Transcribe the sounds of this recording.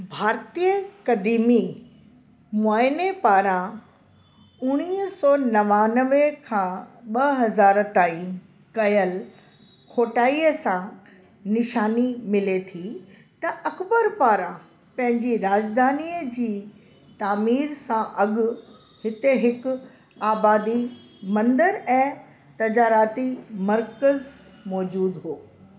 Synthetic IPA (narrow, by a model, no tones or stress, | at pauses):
bʱaːɾt̪ijəkɐd̪iːmi | mʊaːɪnepaːɾã | ʊɽ̃iːɦsɔːnɐʋaːnəʋekʰãːɓɐɦɐzaːɾt̪aːĩ | kɐjəl | kʰoːʈaːiːəsã | nɪʃaːnimɪlet̪ʰi | t̪ɐʔɐkbəɾpaːɾã | pɐ̃ɦɪ̃ɲd͡ʑiɾaːd͡ʑd̪ʱaːniːəd͡ʑiː | t̪aːmiːɾsãʔɐɠʊ̆ | hɪt̪eɦɪkʊ | aːbaːd̪i | mɐ̃nd̪əɾɛ̃ː | t̪ɐd͡ʑaːɾaːt̪imɐɾkəz | mɔːd͡ʑuːd̪ɦoː